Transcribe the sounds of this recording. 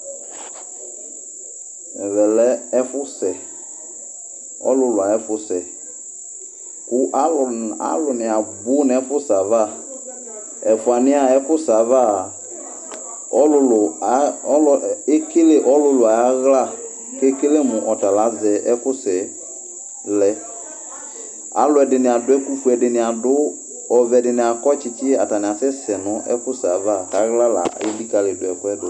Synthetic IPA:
ɛ˨vɛ˨lɛ˦ɛ˦fʊ˦sɛ˨ | ɔ̰˦lʊ˨˦lʊ˨a˨ɛ˦fʊ˦sɛ˨ | ku˨ʔa˦˨a̰˦lʊ˨nĩ˨a˨bu˦n˨ɛ˦fʊ˦sa˨va˦˨ | ɛ˨fu˨a˨nĩ˦a˨ɛ˦fʊ˦sa˨va˦˨ | ɔ˦lʊ˧l | le˦ke˦le˦ʔɔ˦lʊ˦lʊ˨a˨ja˦ɣla˦ | ke˦ke˦le˦mʊ˨ʔɔ˨ta˨la˨˦vɛ˨ʔɛ˦kʊ˦sɪ˨ | lɛ˦ | a̰˨˦lʊ˨˦ɛ˨dɪ˨nɪ˨a˨dʊ˦ɛ˦ku˦ku˨˦ɛ˨dɪ˨nɪ̃˨a˨dʊ˦ | ɔ˨vɛ˨dɪ˨nɪ˨a˨kɔ˦t͡ʃɪ˦t͡ʃɪ˦a˨ta˨nɪ̃˨a˨sɛ˦sɛ˨nʊ˦ʔɛ̰˦fʊ˦sa˨va˦˨ta˨˦ɣla˦la̰˨i˦di˦ka˨lɪ˨dʊ˨ɛ˨kʊ˦ɛ˦dʊ˨

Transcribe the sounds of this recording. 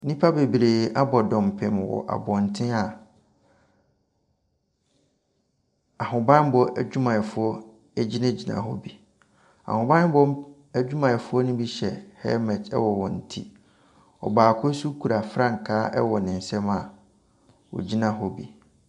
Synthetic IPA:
nĩ˦pʰa˦be˨bɾeː˨a˦bɔ˨dɔ̃˨m˨pʰɪ̃˨m˨wɔ̰˨ʔa̰˨bɔ̃˨n̩˨tʰɪ̃˦a˨ | a˨hʊ̃˨bã˦n˦bɔ˨ʔæ̰˨d͡ʑᶣu˦mã˨ɛ˨fʊ˦ɔ˦ | æ˦d͡ʑi˦nã˦d͡ʑi˨nã̰˨ɦɔ̰˦bi˨ | a̰˨hʊ̃˨bã˦bɔ˦ | æ˦d͡ʑᶣu˦mã˨ɛ˨fʊ˦ɔ˦nʊ̃˦bi˦ɕɛ˨hɛ̰˦mɛ˨tʰɛ̰˦wɔ˨wɔ̃˨n̩˨tʰḭ˦ | ɔ̰˨baː˨kʰʊ˦su˦kʰu˨ɾa˨fɾã˦ŋ̩˨kʰaː˨˦ʔɛ̰˦wɔ˨nɪ̃˨n̩˨sɛ̃˦ma˨ | wɔ̰˨d͡ʑi˦nã˨ɦɔ˦bi˨

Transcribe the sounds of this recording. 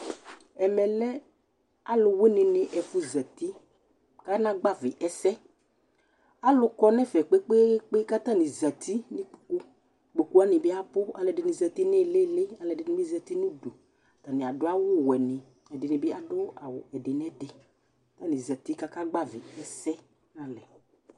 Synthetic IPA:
ɛ˨mɛ˨lɛ˦ | a˦lʊ˨we˦nɪ˨nɪ˨ʔɛ˨fʊ˦zə˨t̪i˦ | ka˦nã˦ɡ͡ba˦˨vɪ˨ʔɛ˦sɛ˦ | a˦lʊ˦kɔ˦nɛ˦fɛ˨k͡pe˦k͡pe˦k͡pe˦ka˦t̪ã˦nɪ̃˨za˨t̪ʰi˦nɪ̃˦k͡pu̥˨ku˦ | k͡po˨ku˦a˦nɪ˨bɪ˦a˦pʊ˦a̰˨lɛ˨dɪ˨nɪ̃˨zə˨t̪i˦ne˦˨le˦˨le˦a˨lɛ˨dɪ˨nɪ̃˦bi˦za˨t̪i˦nũ˦do˨ | t̪a˨nɪ̃˨a˨dʊ˦a˦wʊ˦wɛ˨nɪ˨ | ɛ˨dɪ˨nɪ̃˨bɪ˦a˨dʊ˦a˨wʊ˨ɛ˨dɪ˨nɛ˦dɪ˨ | a˦t̪ã˦nɪ̃˨za˨t̪i˦ka˦ka˦ɡ͡ba˦vɪ˨ɛ˨sɛ˦ | nã˨lɛ˨

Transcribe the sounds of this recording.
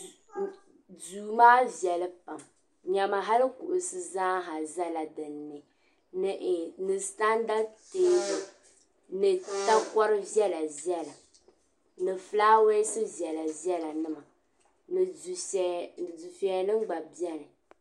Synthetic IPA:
duː˨maː˦vi˨ɛ˨lɨ˦pa˨m | ɲa˨ma˨ɦa˦lɨ˦kṵ˨ʔʊ˨sɨ˦zaː˦ɦa˨za˦la˨dɨ˨nːɨ˨ | nɨ˨ʔnɨ˨sta˦nda˦teː˦bʊ˨ | nɨ˨ta˦kɔ˦ɾɨ˦vɛ˦la˨vjɛ˦la˨ | nɨ˨fɨ˦laː˦we˦sɨ˦vjɛ˨la˨vɛ˦la˨nɨ˦ma˨ | n˨zu˨fɛ˨nɨ˦ɡ͡ba˨bjɛ˦lɨ˨

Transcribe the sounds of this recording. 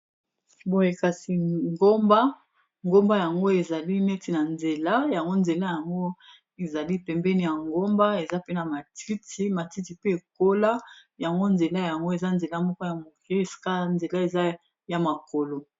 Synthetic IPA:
bo˨je˨ka˨si˨ŋɡo˦mba˦ | ŋɡo˦mba˦ja˨ŋɡo˦e˨za˨li˦nɛ˦ti˨na˨nze˨la˦ja˨ŋɡo˦nze˨la˦ja˨ŋɡo˦ | e˨za˨li˦pɛ˨mbɛ˦ni˨ja˨ŋɡo˦mba˦e˨za˦pe˦na˨ma˨ti˦tʰi˦ma˨ti˦ti˨pe˦e˨ko˦la˦ja˨ŋɡo˦nze˨la˦ja˨ŋɡo˦e˨za˦nze˨la˦mɔ˦kɔ˦ja˨mo˨ke˦e˨si̥˨ka˦nze˨la˦e˨za˦ | ja˨ma˨ko˨lo˨

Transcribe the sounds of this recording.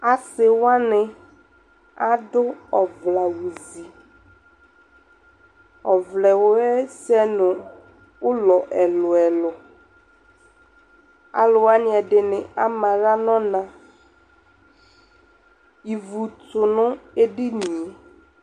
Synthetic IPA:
a˨sɪ˨wa˦nɪ˨ | a˦dʊ˦ɔ˨vla˨wu˨zi˨ | ɔ˨vlɛ˨wʊ˦ɛ˦sɛ˦nʊ̃˨ | wʊ˦lɔ˨ʔɛ˨lʊ˨ɛ˨lʊ˨ | a̰˨lʊ˨wa˦nɪ̃˨ɛ˨ɖɪ˨nɪ̃˨a˦mã˨ɣa˦nɔ̃˦nã˨ | i˨vu˨tʊ˨nʊ̃˦e˦ɖi˦nĩ˨e˨

